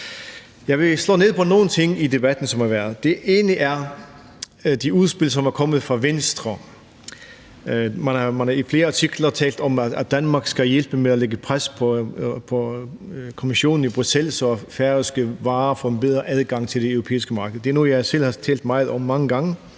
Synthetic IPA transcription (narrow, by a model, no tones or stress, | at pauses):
jɑ̈ɪʋe̝slɔ̰ːne̝ð̞̰ˠpʰɒ̽no̝ːn̩t͡sʰe̝ŋ̰id̥e̝b̥æd̥n̩sɒ̽mhɑʋæɐð̩ˠd̥e̝ʔe̝ːnliʔæɐ | d̥iuð̞ˠsb̥elsɒ̽mæɐkʰɒ̽məð̞̩ˠfʁɑ̈ʋensd̥ʁɐ | mænhɑmænɑ̈ifle̝ːɐɑt͡sʰiɡ̥lɐt͡sʰɛ̰ːld̥ɒ̽mææd̥ænmɑ̈ːɡ̥sɡ̥æjelb̥əmeæleɡ̥əpʰʁaspʰɒpʰɒ̽ | kʰo̝miɕo̝̰ːn̩ib̥ʁusel̰sɒ̽æfæɐəsɡ̥əʋɑ̈ːfɔ̽ːenb̥eðˠʁɐʔæð̞ˠɡ̥ɑ̈ŋ̰t͡sʰe̝ld̥e̝øʊʁopʰḛːisɡ̥əmɑ̈ːɡ̥əð̩ˠd̥e̝ɐnujɑ̈ɪsel̰hɑ̈t͡sʰɛ̰ːld̥mɑ̈ɪð̞̩ˠɒ̽m̰ːɑ̈ŋəɡ̥ɑ̈ŋə